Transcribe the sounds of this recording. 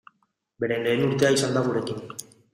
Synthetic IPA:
be̞ɾe̞le̞ːnuɾt̪e̞aisand̪aɣuɾe̞kin

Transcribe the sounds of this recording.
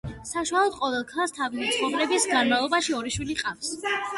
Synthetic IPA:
saʃwalˠɔd̪̥qʼɔvɛlˠkʰalˠst̪ʰavimt̪sʰχɔvɾɛbisɡanmavlˠɔbaʃiɔɾiʃwiliqʼafs

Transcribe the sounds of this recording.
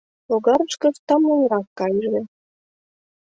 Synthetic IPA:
loɣɑɾəʃkə̆ft̪ɑmunɾɑkːɑjʒĕ

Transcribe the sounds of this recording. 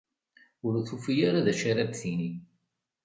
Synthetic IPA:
ʊɾθufijaɾaðæʃaɾæbθini

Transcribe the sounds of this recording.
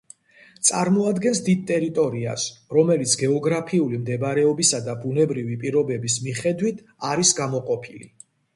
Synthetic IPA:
t̪sʼaɾmɔad̪ɡɛnsd̪id̪̚t̪ʼɛɾit̪ʼɔɾia̰sɾɔmɛlit̪sʰɡɛɔɡɾapʰiulimd̪ɛbaɾɛɔbisad̪abunɛbɾivipʼiɾɔbɛbismiχɛd̪wit̪ʰ | aɾisɡamɔqʼɔpʰilḭ

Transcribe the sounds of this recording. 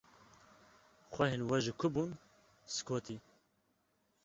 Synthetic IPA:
xʷɛhenwɛʒɨkʰʊbun | sɨ̥kʰoːt̪ʰi

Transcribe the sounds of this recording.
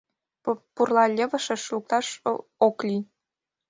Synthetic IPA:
purlˠɑlʲĕβɤ̆ʃĕʃluk̚t̪ɑʃoklʲi

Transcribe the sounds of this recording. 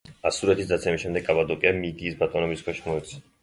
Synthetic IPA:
asuɾɛt̪ʰisd̪at̪sʰɛmisʃɛmd̪ɛɡkʼːabad̪ɔkʼiamid̪iːsbat̪ʼɔnɔbiskʰwɛʃimɔɛt̪sʰɛ

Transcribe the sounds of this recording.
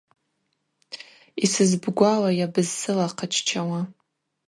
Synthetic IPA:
isɨzbɡʷawajabɨzsɨlaqʰat͡ʃʰt͡ʃʰawa

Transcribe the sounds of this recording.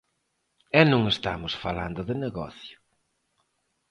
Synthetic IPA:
ɛnũŋest̪a̰mʊsfala̰nd̪ʊðɪneɣɔ̰θjʊ̥

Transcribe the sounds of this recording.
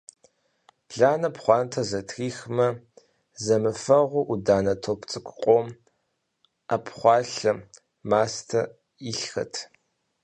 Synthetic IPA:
ɮaːnɐpχʷɑːntʰɐzɐtʰxiːxmɐ | zɐmɨfɐʁʷʊʔudaːnɐtʰopʰt͡sʼɨkʷʰʼqʷʼɔm | apʰχʷɑːɬɐ | maːstʰɐ | iɬxɐ̰tʰ

